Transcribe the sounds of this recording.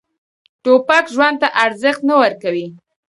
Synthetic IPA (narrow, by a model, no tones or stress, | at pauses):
ʈopakʒwand̪̚t̪aʔaɾzəxt̪nawəɾkawi